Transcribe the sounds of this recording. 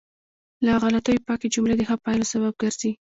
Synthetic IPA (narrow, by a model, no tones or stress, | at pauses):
laɣalat̪əjpɑked͡ʒʊmled̪əxapɑjlosaβab̚ɡaɾzi